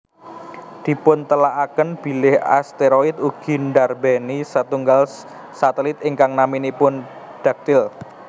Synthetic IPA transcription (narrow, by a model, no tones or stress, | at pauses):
d̪̥i̤pʊnt̪əlaʔakənb̥i̤lɪha̰st̪eɾoɪt̪̚uɡ̥i̤nɖarbɛnisat̪uŋɡal | sat̪ɛlɪt̪ɪŋkaŋnaminipʊn | ɖ̪̥a̤k̚t̪ɪl